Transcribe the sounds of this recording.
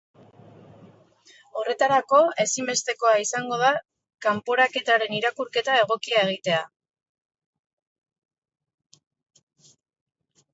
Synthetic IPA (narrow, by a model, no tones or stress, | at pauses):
o̞re̞t̪aɾako̞e̞simbe̞st̪e̞ko̞aisaŋɡo̞ða | kampo̞ɾake̞t̪aɾe̞niɾakuɾke̞t̪ae̞ɣ̞o̞kiaeɣ̞it̪e̞a